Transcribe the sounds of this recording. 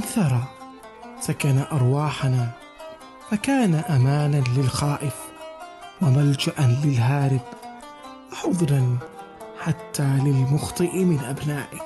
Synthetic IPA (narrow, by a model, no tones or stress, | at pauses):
ʔanθɑɾˤɑ | sakanaʔɑɾˤwɑːħanaː | fakaːnaʔamaːnanlɪlxaːʔɪf | wamald͡ʒaʔanlɪlɦaːɾɪb | waħʊðˤɾɑn | ħat̪ːaːlɪlmʊxt̪ˤɨʔmɪnʔabnaːʔɪ